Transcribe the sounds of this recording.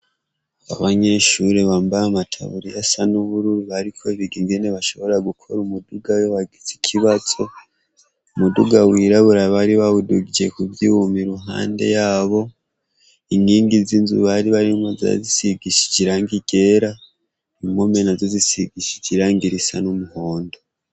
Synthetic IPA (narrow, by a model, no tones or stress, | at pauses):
aβaɲe̞ʃuɾeβaːmbaamatʰa̰βuɾijasanuβuɾuɾuβaɾikʰo̞iβiɡiŋɡe̞ne̞βaʃo̞βo̞ɾaɡukʰo̞ɾumuduɡajoβaɡizikʰiβaz̥o̞ | umuduɡawiɾaβuɾaβaɾiβaβuduɡid͡ʒekuvjiumiɾuɦa̰ːnde̞̰jaːβo̞ | iŋɡiːŋɡizinzṵβaɾiβaɾimoza̰zisiɡiʃi̥d͡ʒiɾaŋɡiɡ̥e̞ɾa | imomenazozisiɡiʃi̥d͡ʒiɾaŋɡiɾisanumuho̞ːndo